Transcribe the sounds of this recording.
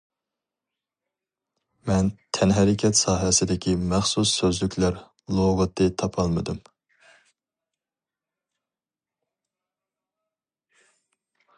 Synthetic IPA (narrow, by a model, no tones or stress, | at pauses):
mɛnt̪ʰɛnɦɛɾɪkʲʰɛt̪sɑːɦɛsɪd̪ɪkʲʰimæχsusːøzlykʲlæɾ | lˠoʁɨt̪ʰːɨt̪ʰɑpʰɑlˠmɨd̪ɨm